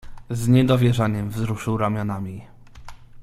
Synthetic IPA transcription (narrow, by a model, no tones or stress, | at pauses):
zɲɛd̪ɔvʲjɛʐaɲɛmvzɾuʂɘwɾamʲjɔnamʲi